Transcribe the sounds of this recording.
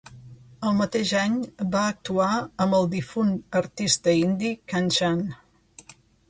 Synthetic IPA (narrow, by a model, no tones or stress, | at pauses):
əlˠmət̪eʒaɲbaək̚t̪uaəmbəlˠd̪ifunəɾt̪ist̪əind̪ikanʲt͡ʃan